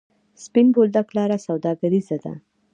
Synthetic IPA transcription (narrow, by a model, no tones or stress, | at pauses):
spɪnbold̪aklɑɾasawd̪ɑɡaɾizad̪a̰